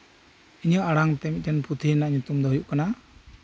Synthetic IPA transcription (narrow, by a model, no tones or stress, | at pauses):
iɲəʔaɽaŋt̪ɛmit̪̚d͡ʒɛnput̪ʰinaʔɲut̪umd̪ɔɦujuʔkana